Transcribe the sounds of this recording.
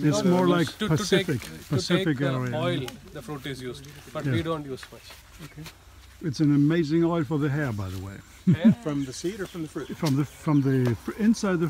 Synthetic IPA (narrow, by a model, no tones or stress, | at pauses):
ɪtsmɔɹlaɪkpʰɨsɪfɪkpʰɨsɪffɨk̬ɛɹiɨɪldəfɾuʈɪzjuzbʌjæidõːnjuzt͡ʃ | okʰe | ɨtsɨ̃nɨmeɪzɪ̃ŋɔɪlˠfə˞ðɨɦɛɹbaɪðə̰wḛɪ | fɹʌ̃mðəsiɾə˞fɹʌ̃mðəfɹufɹʌ̃mðɨfɹʌ̃mðifɪ̃nsaɪd̪̚ðɨ